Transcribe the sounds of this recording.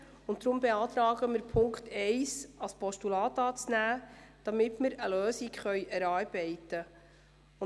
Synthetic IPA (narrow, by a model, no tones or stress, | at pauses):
ʊntdɾʊmbeɑːt̪ɾɑːɡ̥əmɪɾpʰʊŋkχtɛɪsɑspʰɔʃtulɑːt̪ɑːt͡snæːd̥ɑmɪtmɪɾəløːsikχœjʔɛɾɑːɾb̥ɛɪtə